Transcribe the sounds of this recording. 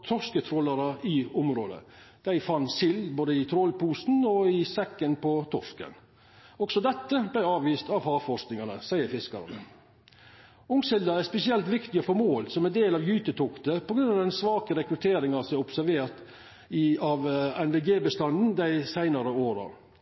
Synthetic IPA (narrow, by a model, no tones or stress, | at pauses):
t̪ʰɔskət̪ʰɾɔlːɑɾəɪʊmɾoːd̪ə̰ | d̪̥æɪfɑnsɪlboːd̪əɪt̪ʰɾɔlpuːsn̩ɔɪsɛkːənpʰɔt̪ʰɔskə̰n | ɔɡ̥sɔd̪ɛt̪ːəblæɪɑːʋiːst̪ɑʋhɑːfɔsknɪŋɑnəsæɪəɾfɪskɑ̰ɾnə̰ | ʊŋsɪld̪əæspɛsɪɛlt̪ʋɪkt̪ɪəfɔɾmoːlsɔmæd̪eːlɑʋjyːt̪ət̪ʰʊkt̪əpʰɔɡɾʉnɑʋd̪ɛnsʋɑːkəɾɛkɾʉt̪ʰeːɾɪŋɑsɔʊpsæɾʋeːɾt̪ | ɪɑʋɛnʋeɡeːbəst̪ɑnn̩d̪æɪsæɪnɑɾəoːɾɑ̰